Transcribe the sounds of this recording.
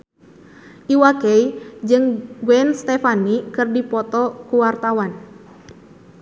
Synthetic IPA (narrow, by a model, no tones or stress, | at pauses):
ʔiwakɛid͡ʒɨŋɡwɛnst̪ɛfanikɨrdipɔt̪ɔkuwart̪awan